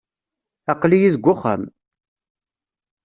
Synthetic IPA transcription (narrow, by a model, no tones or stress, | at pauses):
ɑqlijiðɡʷːʊχə̰m